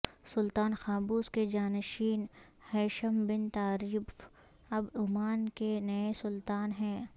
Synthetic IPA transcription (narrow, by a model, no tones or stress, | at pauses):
sʊlt̪aːnxaːbuːsked͡ʒaːnʃiːn | hɛːʃəmbɪnt̪aːɾiːf | ɐbʊmaːnkenɐesʊlt̪aːnɦɛ̃ː